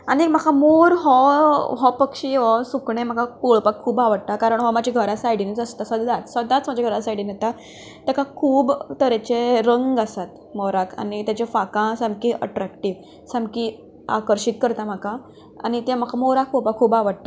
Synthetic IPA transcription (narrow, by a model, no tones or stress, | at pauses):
anim̤akʰamoɾɦɔɦɔpəkʂiːɦɔsukɳẽm̤akʰapoɭpakʰːuːbaʋəɽt̪akaɾəɳɦɔmad͡ʑʱiɡʱəɾasajɽinit͡səst̪asəd̪ʱat̪səd̪ãt͡smad͡ʑaɡʱəɾasajɽinet̪a | t̪akakʰuːbt̪əɾet͡ɕeɾəŋɡasat̪ | mɔɾakʰa̰nit̪jat͡ɕefakãsãmkiʔə̰ʈɾakʈiːʋ | sãmki | a̰kəɾɕit̪̚kəɾt̪am̤aka | a̰nit̪em̤akʰamoɾak̚poɭpakʰːuːbaʋəɽt̪a